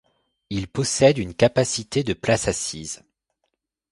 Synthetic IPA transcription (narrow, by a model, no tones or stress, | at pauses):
ilpɔsɛd̪ynkapasit̪ed̪əplasasiz